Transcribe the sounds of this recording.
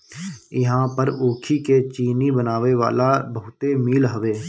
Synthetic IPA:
ɪɦãpəɾoːkʰiket͡ʃiːnibənaːʋeʋa̰ːlabəɦʊt̪emiːlɦəʋeː

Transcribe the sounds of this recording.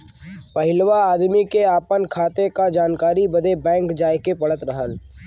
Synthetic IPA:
pɐɦɪlʋaaːd̪mikeaːpənkʰaːt̪ekad͡ʒaːnkaːɾibəd̪ebɛ̃ːŋkd͡ʒaːjkepɐɽət̪ɾəɦəl

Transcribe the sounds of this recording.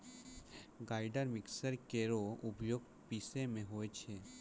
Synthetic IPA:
ɡaːɪɖəɾmɪksəɾkeɾoʊpjoːɡ | pisemẽɦoːet͡ʃʰe

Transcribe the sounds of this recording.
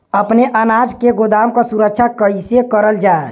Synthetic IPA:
əpneʔənad͡ʒkeɡod̪amkɔsuɾəkt͡ʃʰakəsekəɾəld͡ʒae

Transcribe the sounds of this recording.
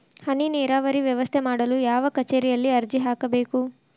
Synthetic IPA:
hɐnineːɾaːʋɐɾiʋjɛʋɐst̪ʰemaːɽɐluːjaːʋɐkɐt͡ʃeːɾijɐlːiɐɾd͡ʒiɦaːkɐbeːku

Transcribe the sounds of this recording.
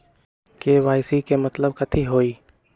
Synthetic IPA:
keːʋaːɪsikemɐt̪ləb̚kɐt̪ʰiɦoːiː

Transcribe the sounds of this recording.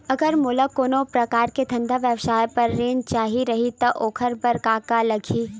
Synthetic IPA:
ɐɡəɾmʊləkːoːnopɾɐkaːɾket̪ʰɐ̃nd̪ʱaʋjəwsaːjpɐɾːeːnt͡ʃaːɦiɾɐɦit̪oʔoːkʰəɾbɐɾkaːkalɐɡʱiː

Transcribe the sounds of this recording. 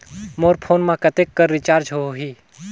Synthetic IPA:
moːɾpʰoːnmãkət̪ekːəɾːɪt͡ʃaːɾd͡ʒɦoɦiː

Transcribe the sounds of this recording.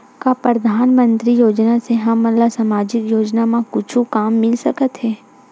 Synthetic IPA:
kapɾəd̪ʱaːnmə̃nt̪ɾijoːd͡ʒnaseɦɐmːɐnlasaːmaːd͡ʒɪkjoːd͡ʒnamãkʊt͡ʃʰukaːmːɪlsɐkət̪ɦɛː

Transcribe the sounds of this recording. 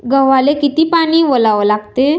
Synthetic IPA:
ɡəʋalekit̪iːpaɽ̃iːʋolaʋəlaɡt̪e

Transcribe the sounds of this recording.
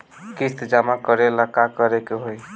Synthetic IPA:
kist̪d͡ʒamakəɾelakakəɾekeɦoj

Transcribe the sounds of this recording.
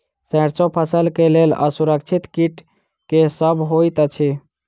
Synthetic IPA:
sə̃ɾt͡ʃõpʰəsəlkelelə̰suɾək̚t͡ʃʰit̪kiʈ | kesəbɦojt̪ət͡ʃʰi

